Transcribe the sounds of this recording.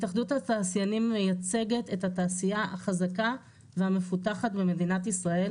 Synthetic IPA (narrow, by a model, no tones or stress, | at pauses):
taχd̪uthataːsjanimːe̞jat͡se̞ɡe̞te̞thataːsijaa̰χazaka | vehame̞futaχatbeme̞dinatisʁae̞l